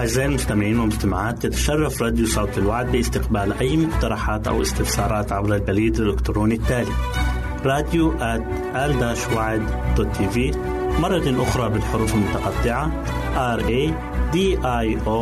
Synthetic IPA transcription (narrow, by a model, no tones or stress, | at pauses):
ʔazːaːʔɪlmʊst̪amɪʕiːnwɪlmʊst̪amaʕaːt̪j̪ɪt̪ḁʃɑrˤːɑfɾˤɑːd̪jusˤɑwt̪ɪlwaʕd̪̚bɪʔɪst̪ɪqbaːlʔajːmʊqt̪ɑɾˤɑħaːt̪ʔa̰wʔɪ̰st̪ɪfsɑːɾˤɑːt̪ʕabɾalbaliːd̪alʔʊkt̪ɾoːnit̪ːaːli | ɾˤɑːd̪juʔat̪ | ʔald̪aːʃwaːʕɪd̪ | d̪̥ot̪ːiːviː | mɑrˤːɑt̪aʔʊxɾˤɑbɪlħʊɾuːfalmʊt̪ɑqɑt̪ˤːɪʕa | ʔɑɾˤʔeː | d̪iːʔajʔoː